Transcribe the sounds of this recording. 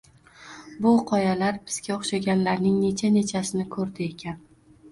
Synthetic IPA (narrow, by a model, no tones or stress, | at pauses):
bʊqʰɒjalaɾbɪz̥ɡʲaoχʃaɡʲanlaɾnɪŋne̞t͡ʃʰane̞t͡ʃʰasɪnɪkʰɵɾd̪ɪe̞kʲʰan